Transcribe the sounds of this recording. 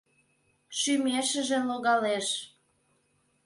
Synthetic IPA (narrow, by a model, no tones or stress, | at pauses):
ʃymeʃə̆ʒĕloɣɑleʃ